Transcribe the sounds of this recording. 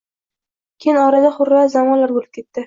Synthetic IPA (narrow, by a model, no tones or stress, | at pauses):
kʲʰejnɒɾad̪aχʊɾːazamɒnlaɾbolˠɪp̚kʰʲe̞t̪ːɪ